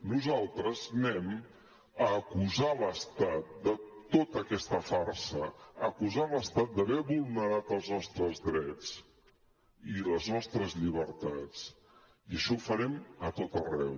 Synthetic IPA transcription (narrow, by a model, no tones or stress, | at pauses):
nuzalˠt̪ɾəznɛm | əːkuzaləst̪at̪̚d̪ət̪ot̪əkɛst̪əfaɾsəəkuzaləst̪at̪̚d̪əβɛβulˠnəɾat̪əlˠznɔst̪ɾəzðɾɛt͡s | iləznɔst̪ɾəzʎiβəɾt̪at͡s | iəʃɔufəɾɛmət̪ot̪ərɛ̰w